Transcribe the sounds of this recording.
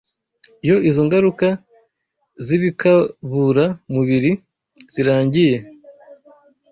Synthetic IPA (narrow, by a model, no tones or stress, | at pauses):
ijo̞izoŋɡaɾuka | ziβikaβuɾamuβiɾi | z̥iɾaːɲɟije̞